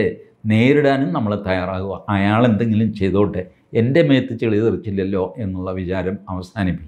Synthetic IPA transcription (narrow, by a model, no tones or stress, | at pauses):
e | ne̞ːɾuɽaːnumnɐmːɐɭet̪ɐjaːraːɣuɣɐʔɐjaːɭe̞nd̪e̞ŋɡilumt͡ɕe̞jt̪o̞ːʈːɨ | e̞nde̞meːt̪ːɨt͡ɕːeɭijɐðirit͡ɕːilːɐlːo̞ːʔe̞nːuɭːɐʋit͡ɕaːɾɐmɐʋɐsaːnipːi